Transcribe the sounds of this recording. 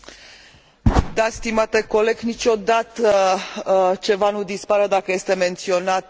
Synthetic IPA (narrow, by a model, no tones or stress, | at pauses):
d̪ast̪imat̪e̞ko̞le̞ɡnit͡ʃo̞d̪at̪ə | t͡ʃe̞vanud̪ispaɾəd̪akəje̞st̪e̞me̞nt̪sio̞nat̪̚